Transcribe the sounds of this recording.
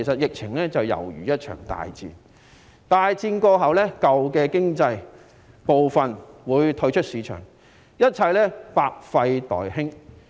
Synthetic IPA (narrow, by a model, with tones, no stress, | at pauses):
jsɐ˨t̚jɪ˨k̚t͡sʰɪ˨˩ŋlɛː˥t͡sɐ˨wjɐ̰˨˩wjyː˨˩jɐ˥t̚t͡ʃʰœ̰ː˨˩ŋt̪a̰ː˨jt͡sḭː˧n | t̪aː˨jt͡siː˧nkɔː˧ɦɐ˨wlɛː˥kɐ˨wkɛː˧kɪ˥ŋt͡sɐ˧j | po˨wfɐ˨nwuː˨˧jt̪ʰɵ˧ɥt͡ʃʰɵ˥t̚siː˨˧˥t͡ʃʰœ̰ː˨˩ŋ | jɐ˥t̚t͡sʰɐ˧jlɛː˥paː˧k̚fɐ˧jt̪ɔ̰ː˨jhɪ˥ŋ